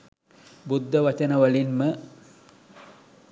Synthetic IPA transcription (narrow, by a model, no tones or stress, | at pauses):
bud̪ʱːəʋɐt͡ʃənəʋɐlinmə